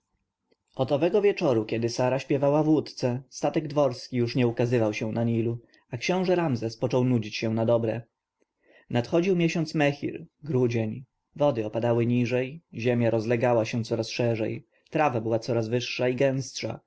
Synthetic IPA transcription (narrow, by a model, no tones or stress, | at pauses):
ɔt̪ɔvɛɡɔvʲjɛt͡ʂɔɾukʲɛd̪ɘsaɾaɕpʲjɛvawavwut̪t̪sɛst̪at̪ɛɡd̪vɔɾskʲijuʂɲɛukazɘvawɕɛ̃naɲilu | akɕɔ̃w̃ʐɛɾamzɛspɔt͡ʂɔwnud͡ʑit͡ɕɕɛ̃nad̪ɔbɾɛ | nat̪xɔd͡ʑiwmʲjeɕɔnt̪smɛxʲḭɾɡɾud͡ʑɛɲ | vɔd̪ɘɔpad̪awɘɲiʐɛjʑɛmʲjaɾɔzlɛɡawaɕɛnt̪sɔɾasʂɛʐɛ̰j | t̪ɾavabɘwat̪sɔɾazvɘʂːaiɡɛ̃w̃stʂa̰